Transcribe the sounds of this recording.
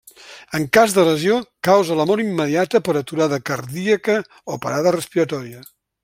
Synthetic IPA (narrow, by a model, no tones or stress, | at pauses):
əŋkazd̪ələziokawzələmoɾimːəðiat̪əpəɾət̪uɾaðəkəɾðiəkə | opə̰ɾaðərəspiɾət̪ɔɾiə